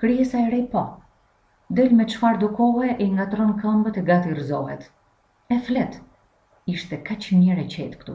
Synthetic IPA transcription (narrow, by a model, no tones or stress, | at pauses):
kɾiɛsaɛɾɛpa | d̪ɛlmɛt͡ʃfaɾd̪ukɔɦɛʔɛiŋɡat̪ɾɔnkambət̪ɛɡat̪irzɔɦɛt̪ | ɛflɛt̪ | iʃt̪ɛkat͡ʃmɛɾɛt͡ɕɛt̪kt̪ṵ